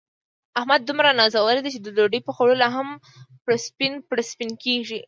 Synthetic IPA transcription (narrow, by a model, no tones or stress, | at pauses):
ahmad̪̚ːumɾanɑzawəɾed̪it͡ʃed̪əloɖəjpəxoɽolaɦam | pɽaspinpɽaspinkeʒi